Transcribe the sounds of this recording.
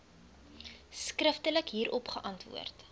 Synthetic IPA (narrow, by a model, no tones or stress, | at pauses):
skrəftələkɦiːɾʔɔpχəʔɐntvṵərt